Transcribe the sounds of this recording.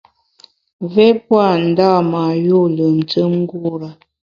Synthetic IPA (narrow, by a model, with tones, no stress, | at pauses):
vɛ˦pwa˦˨n̩˨da˦˨ma˨jo˦˨lə˨n̩˨tə˦mŋ̩˦ɡu˦ɾa˨